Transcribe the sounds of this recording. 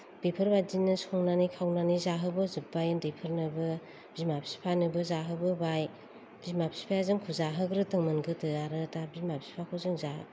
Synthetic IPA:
b̥ipʰɯɾbadinɯsɔŋnanikʰawnanizaɦɯbɯzɯp̚bajɯndipʰɯɾnɯbɯ | b̥imapʰsi̥pʰanɯbɯzaɦɯbɯbaj | b̥imapʰsi̥pʰajazɯŋkʰuzaɦɯɡɾɯtɯŋmɯnɡɯtɯaɾɯtabimapʰsi̥pʰakʰɔzɯŋzaɦ

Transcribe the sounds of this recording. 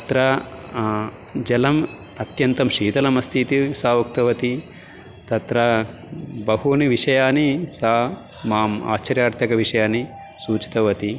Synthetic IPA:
ɐt̪ɾɐ | d͡ʒɐlɐm | ɐt̪jɐnt̪ɐmʃiːt̪ɐlɐmɐst̪ʰit̪isaːʋɐkt̪ɐʋɐt̪i | t̪ɐt̪ɾɐ | bɐɦuniʋiʂɐjaːnisaː | maːma̰ːt͡ʃɐɾjaːɾt̪ʰjɐkɐʋiʂɐjaːni | suːt͡ʃi̥t̪ɐʋɐt̪i

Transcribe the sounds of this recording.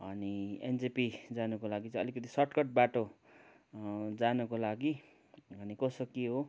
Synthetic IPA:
ʌniḛnd͡zipid͡zanukolaɡit͡sʌĩʌ̰likʌt̪isʌʈkʌʈ̚baʈo | d͡zanukolaɡi | ʌnikʌsʌkiɦo

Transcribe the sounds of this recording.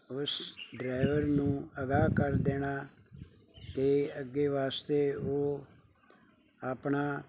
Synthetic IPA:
ʊsɖɾaːɪʋəɾnũːəɡaːkəɾd̪eːɽaː | t̪eːəɡːeːʋaːst̪eːoː | aːpɳaː

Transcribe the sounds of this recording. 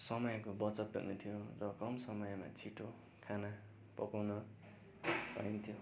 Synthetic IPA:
sʌmʌjkobʌt͡sʌt̪̚bṵnet̪ʰijorʌkʌmsʌmʌjma̰t͡sʰiʈo | kʰana | pʌkawnʌ | paint̪ʰjo

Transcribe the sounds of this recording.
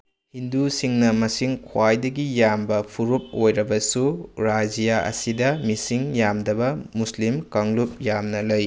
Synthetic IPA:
hindusiŋnɐmɐsiŋkʰwajdɐɡijambɐpʰuɾup̚ojɾɐbɐsuɾad͡ʒijaʔɐ̰sidɐmisiŋjamdɐbɐmuslimkaŋlup̚jamnɐlɐj

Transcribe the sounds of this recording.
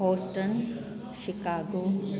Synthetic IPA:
ɦoːsʈən | ʃɪkaːɡoː

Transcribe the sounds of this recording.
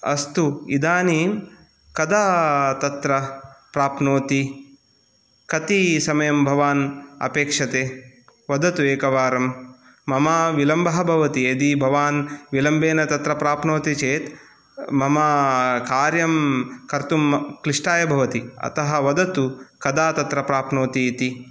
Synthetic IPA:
ɐ̰st̪uid̪aːniːm | kɐd̪aːt̪ɐt̪ɾɐpɾaːpnoːt̪i | kɐt̪isɐmɐjɐmbʱɐʋaːnɐ̰peːkʂɐt̪eː | ʋɐd̪ɐt̪ueːkɐʋaːɾɐmː | ɐmaʋilɐmbɐɦɐbʱɐʋɐt̪ied̪ibʱɐʋaːnʋilɐmbeːnɐt̪ɐt̪ɾɐpɾaːpnoːt̪it͡ʃeːt̪ | mɐmakaːɾjɐmkɐɾt̪umkɾiʂʈaːjɐbʱɐʋɐt̪iɐ̰t̪ɐɦɐʋɐd̪ɐt̪ukɐd̪aːt̪ɐt̪ɾɐpɾaːpnoːt̪iːt̪i

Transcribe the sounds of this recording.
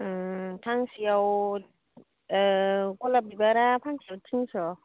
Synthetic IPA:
tʰaŋsijaw | kɔlabibaɾapʰaŋsiawtʰiŋsɔ

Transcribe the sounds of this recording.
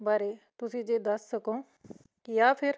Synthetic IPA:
baːɾeːt̪ʊsĩːd͡ʒeːd̪ɐsːəkõː | jaːpʰɪɾ

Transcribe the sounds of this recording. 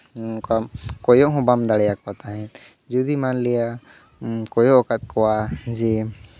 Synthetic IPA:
kakɔjɔʔɦɔ̃bamd̪aɽɛjakɔat̪aɦɛ̃t̪ | d͡ʒud̪imanlɛja | kɔjɔʔkat̪̚ˀkɔwad͡ʒɛ

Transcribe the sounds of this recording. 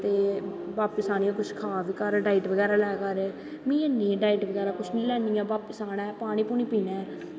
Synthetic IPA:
t̪eː | baːpkɪsaːnĩãːkʊt͡ʃʰkʰaːʋikəɾɖaːɪiʈʋəɡɛːɾaːlɛːkaɾ | mĩːeːnĩɛ̃ːɖaːiːʈʋəɡɛːɾaːkʊt͡ʃʰnĩːlɛːnijãːbaːpkɪsaːnɛ̃ːpaːɽ̃iːpuːnĩːpiːnɛː

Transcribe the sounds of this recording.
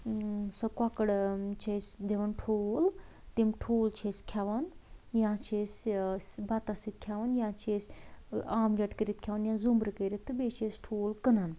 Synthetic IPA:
sɐkakəɽt͡ʃʰesd̪eʋɐnʈʰoːl | t̪imʈʰoːlt͡ʃʰeskʲʰjaʋan | jãːt͡ʃʰesbat̪asit̪̚kʲʰjaʋanjãːt͡ʃʰeːsʲaːmlʲɐʈkəɾit̪̚kʰjaʋɐnjãzumbɾɨkəɾet̪ːɨbet͡ʃʰesʈʰoːlkənan

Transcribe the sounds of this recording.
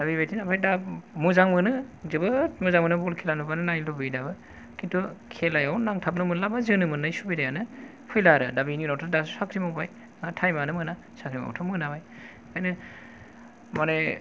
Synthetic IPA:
d̥abibajtʰinapʰajdamɯzaŋmɯnɯzɯbɯt̚mɯzaŋmɯnɯbulkʰelanubanɯnajlɔbɯjdabɯ | kʰintʰukʰelajawnaŋtʰap̚nɯmɯnlabazɯnɯmɯnajsubidajanɯ | pʰɯjlaɾɯdabininawtʰɯdassakʰɾimabaj | tʰajmanɯmɯna | sakʰɾima̰wtʰɔmɯnabaj | ajnɯ | mane

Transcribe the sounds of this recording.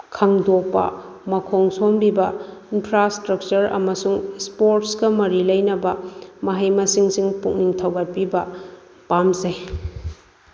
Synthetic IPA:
kʰɐŋdok̚pɐ̰ | mɐkʰoŋsombibɐinpʰɾastɾɐk̚t͡ʃɐɾɐ̰mɐsuŋspoɾtsɡɐmɐɾilɐjnɐbɐmɐɦɐjmɐsiŋsiŋpuŋniŋtʰɐwɡɐt̚pibɐ | pamzɐj

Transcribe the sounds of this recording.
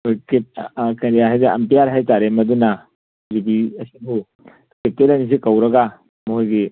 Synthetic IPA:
ojkekɐndiaɦajzaɐ̰mpijaɾɦajtaɾemɐd̪una | zubiɐsibu | ketelɐnis̬ikɐwɾɐɡa | moɦojɡi

